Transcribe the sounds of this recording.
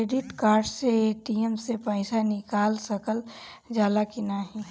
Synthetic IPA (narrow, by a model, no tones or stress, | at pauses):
eɖɪʈkaːɾɖseeʈiemsepəɪsanɪkaːlsəkəl | d͡ʒaːd̪akinaɦi